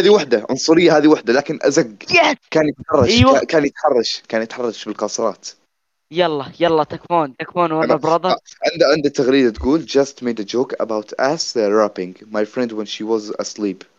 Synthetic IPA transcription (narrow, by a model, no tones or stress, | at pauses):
aːðiwɪħd̪aʕʊ̰nsˤʊɾɪjːahaːðiwaħd̪alaːkɪnʔa̰zaɡjakaːnjɪt̪ħɑrˤːɑʃwakaːnjɪt̪ħɑrˤːɑʃkaːnjɪt̪ħɑrˤːɑʃbɪlqɑsˤɨɾˤɑːt̪ | jɑlˤːɑjɑlˤːɑt̪akfuːnt̪akfuːnwanbɾˤɑd̪ˤɑʕɪnd̪aʕɪnd̪at̪ʰːaɣɾiːd̪at̪ɡuːld͡ʒast̪meːd̪ad͡ʒoːka̰bawt̪ʰʔasɾapɪŋɡmajfɾɛnd̪wɛnʃiwɑzʔa̰sliːb